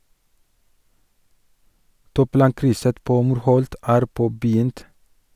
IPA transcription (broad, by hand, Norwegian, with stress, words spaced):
ˈtuːˌplɑːŋkɾʏsə ˈpoː ˈmuːɾˌhɔlt ˈæːɾ ˈpoːbəˌjʏnt